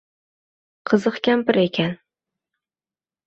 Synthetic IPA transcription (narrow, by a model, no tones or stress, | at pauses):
qʰɨzɨqkʲampɪɾekʲʰan